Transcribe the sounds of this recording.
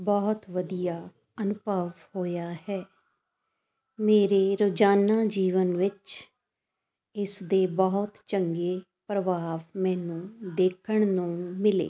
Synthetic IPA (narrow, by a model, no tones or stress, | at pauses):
bɔːt̪ʋəd̪ijaː | ənʊbʱəʋhoːjaːhɛː | meːɾeːɾoːd͡ʒaːnãːd͡ʒiːʋənʋɪt͡ʃ | ɪsd̪eːbɔːt̪t͡ʃəŋɡeː | pɾəʋaːʋmɛ̃ːnũːd̪eːkʰəɳ̃nũːmɪlḛː